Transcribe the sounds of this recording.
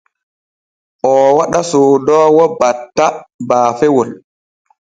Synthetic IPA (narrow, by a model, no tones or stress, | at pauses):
ʔɔwaɗasodɔːwɔbatːabaːfɛwɔl